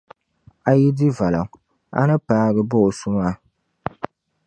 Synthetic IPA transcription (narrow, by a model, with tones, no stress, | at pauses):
a˨ji˦di˦va˨la˨ŋ | a̰˦nɨ˦paː˦ɡɨ˦bo˦ʔsu˦ma˦